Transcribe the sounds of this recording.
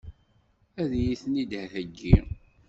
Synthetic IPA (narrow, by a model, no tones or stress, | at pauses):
æðjiθnid̪hθæɡːi